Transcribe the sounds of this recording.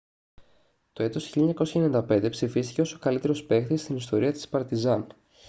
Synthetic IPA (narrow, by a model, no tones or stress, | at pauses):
t̪o̞e̞t̪o̞sçilʎeɲɐko̞sçenind̪ɐpe̞nd̪e̞psifist̪i̥ce̞o̞so̞kɐlit̪e̞ɾo̞spe̞xθist̪inist̪o̞ɾiɐt̪ispɐɾt̪izɐn